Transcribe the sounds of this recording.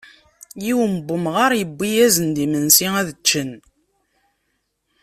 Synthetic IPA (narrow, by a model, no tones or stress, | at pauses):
jiwəməbːəmʁaɾˤjəbːijæzənd̪imənsiŋæðət͡ʃːən